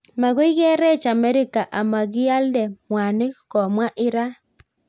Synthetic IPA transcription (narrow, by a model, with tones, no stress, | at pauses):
ma˨ɣo˦i˦ɣɛ˦ɾɛ˦˨t͡ʃa˨mɛ˦ɾi˦ka˨ʔa˨ma˨ɣi˦a˦ldɛ˨mwa˨ne˦kɔ˨mwa˦ʔɪ˦ɾa˦